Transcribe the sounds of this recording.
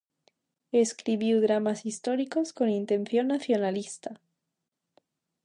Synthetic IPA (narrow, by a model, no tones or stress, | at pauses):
eskɾiβjuwðɾamasist̪o̞ɾiko̞sko̞nint̪e̞nθjo̞nːaθjo̞nalist̪a